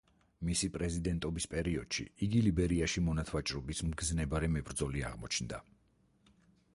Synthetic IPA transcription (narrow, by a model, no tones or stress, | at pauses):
misipʼɾɛzid̪ɛnt̪ʼɔbispʼɛɾiɔd̪̥ʃḭiɡilibɛɾiaʃimɔnat̪ʰwat͡ʃʼɾɔbismɡznɛbaɾɛmɛbɾd̪zɔliaʁmɔt͡ʃʰnd̪a